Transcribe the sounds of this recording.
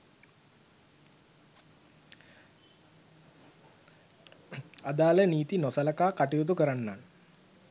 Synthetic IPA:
ad̪aːləniːt̪inosɐlɐkaːkaʈijut̪̬ukəɾanːan

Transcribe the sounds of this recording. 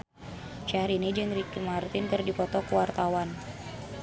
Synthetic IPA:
t͡ʃaɾinid͡ʒɨŋɾikimart̪ɪnkɨrdipɔt̪ɔkuwart̪awan

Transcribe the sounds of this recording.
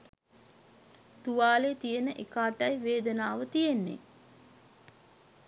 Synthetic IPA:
t̪uʋaːlet̪ijənəʔekaːʈɐjʋeːd̪ənaːʋət̪ijenːḛ

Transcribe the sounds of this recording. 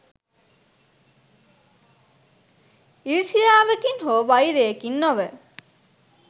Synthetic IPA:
iɾʃijaːʋekinɦoːʋajɾeːkinːoʋe

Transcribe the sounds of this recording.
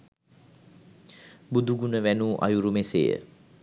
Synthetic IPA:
bud̪uɡunəʋænuʔa̰juɾumesḛjə̰

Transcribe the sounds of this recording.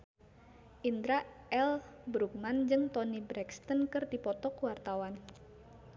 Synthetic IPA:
ʔind̪ɾaʔɛlbɾuk̚mand͡ʒɨŋt̪ɔnibɾɛkst̪ənkɨrdipɔt̪ɔkəwart̪awan

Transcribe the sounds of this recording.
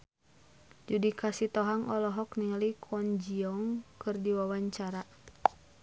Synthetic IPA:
d͡ʒudikʰasit̪ɔɦaŋɔlɔɦɔkniŋalikʰɔnd͡ʒiɔŋkɨrdiwawaɲt͡ʃaɾa

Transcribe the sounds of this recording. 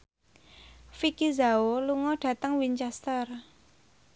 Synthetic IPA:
fikizaoluŋɔɖ̥ä̤t̪əŋwiɲt͡ʃɛst̪ər

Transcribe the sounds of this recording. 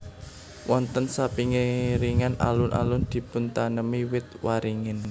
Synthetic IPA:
wɔnt̪ənsapiŋiɾiŋana̰lʊnʔa̰lʊnd̪̥i̤pʊnt̪anəmiwɪt̪̚waɾiŋɪn

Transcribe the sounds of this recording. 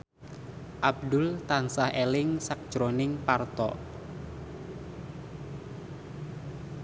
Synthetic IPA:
ʔab̚d̪ʊlt̪ansahelɪŋsak̚d̥ʒ̥ɾonɪŋpart̪ɔ̰

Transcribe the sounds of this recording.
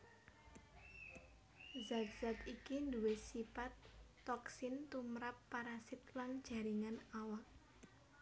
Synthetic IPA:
zak̪̚z̥at̪ikind̪uwɪt̪sifat̪ː | ɔksɪnt̪umɾapːaɾasɪt̪laŋd̥ʒ̥a̤ɾiŋanawak̚

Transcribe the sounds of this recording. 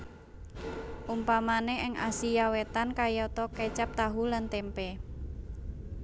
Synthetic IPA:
ʔumpamaneʔɪŋʔa̰sijawet̪ankajɔt̪ɔket͡ʃap̚t̪aɦulant̪ɛmpɛ

